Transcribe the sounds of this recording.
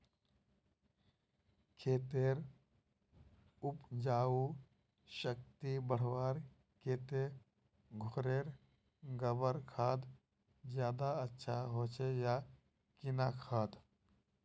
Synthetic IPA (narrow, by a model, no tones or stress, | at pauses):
kʰeːt̪eːɾ | ʊpd͡ʒaːu | ʃək̚t̪ibəɽ̤waːɾ | keːt̪e | ɡʱoːɾeːɾ | ɡəbəɾkʰaːd̪ | d͡ʒjaːd̪aətːʃʰaɦoːt͡ʃʰeja | kɪnakʰaːd̪